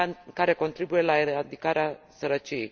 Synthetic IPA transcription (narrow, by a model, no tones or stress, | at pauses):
kaɾe̞ko̞nt̪ɾibuje̞laeɾad̪ikaɾeasəɾət͡ʃiej